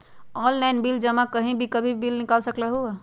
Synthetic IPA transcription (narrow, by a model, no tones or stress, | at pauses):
ɔːlːaɪnbild͡ʒəmakəɦĩbʱikəbʱibilnɪkalsəklaɦu